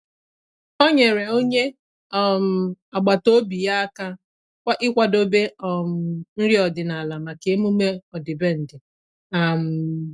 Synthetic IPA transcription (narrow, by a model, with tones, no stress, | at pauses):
ɔ˦ɲe˨ɾe˨o˦ɲe˦ | ɔ˦m̩˨a˨ɡ͡ba˨to˦bi˨ja˦a˦ka˦ | kʷa˦ʔɪ˦kʷa˦do˦be˦ɔ˨m̩˨n̩˦ɾi˦ɔ˨dɪ˨na˨la˨ma˨ke˨˦mu˦me˦ɔ˨dɪ˨be˦n̩˨dɪ˨ | a˨m̩˨